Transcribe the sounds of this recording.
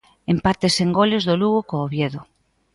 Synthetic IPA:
empaɾt̪eseŋɡolezðoluɣokoːβjeðo

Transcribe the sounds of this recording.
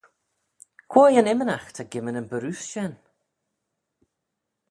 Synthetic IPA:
kʰw̥ɔːjanɛmənaxtʰaɡɪmənənbəɾʉsʃɛn

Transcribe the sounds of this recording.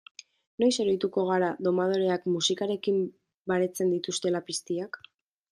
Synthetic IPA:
no̞jse̞ɾo̞jt̪uko̞ɣ̞aɾaðo̞mað̞o̞ɾe̞akmusikaɾe̞kim | baɾe̞t͡se̞nd̪it̪ust̪e̞lapist̪iak

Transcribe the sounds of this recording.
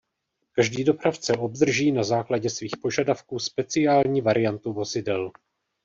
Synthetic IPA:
kaʒdiːdo̞pɾaft͡sɛʔo̞bd̪r̩ʒiːnazaːklaɟɛsviːxpo̞ʒadafkuːspɛt͡sɪjaːlɲiːvaɾɪjant̪uvo̞zɪdɛl

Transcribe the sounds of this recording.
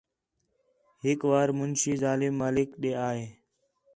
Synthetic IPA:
ɦɪkʋaːɾmʊnʃiːzaːlɪmːaːlɪkɗeːaːɦeː

